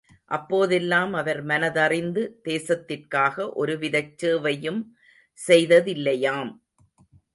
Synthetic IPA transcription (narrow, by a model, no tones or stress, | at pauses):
ʔɐpːoːðɛlːaːmɐʋɐɾmɐnɐðɐrɪnd̪ɯd̪̥eːsɐt̪ːɪrkaːɣɐʔɔɾɯʋɪðɐt͡ʃːɯːʋɐjɯm | sɛjðɐðɪlːɐjaːm